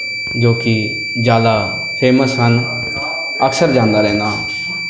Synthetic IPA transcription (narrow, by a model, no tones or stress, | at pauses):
d͡ʒoːkɪ | d͡ʒjaːd̪aː | pʰeːməsɦən | əksəɾd͡ʒãːnd̪aːɾɛ̃ːnd̪aː